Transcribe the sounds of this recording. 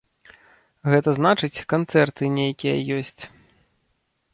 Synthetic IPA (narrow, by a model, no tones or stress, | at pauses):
ɣɛt̪ɐznat͡ʂɨt͡sʲkant̪sɛrt̪ɨnʲejakʲijɐjɔsʲt͡sʲ